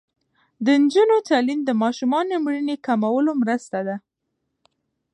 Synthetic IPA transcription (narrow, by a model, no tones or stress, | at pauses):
d̪ənd͡ʒunot̪ɑlind̪əmɑʃumɑnomɾinekamawəlomɾəst̪ad̪a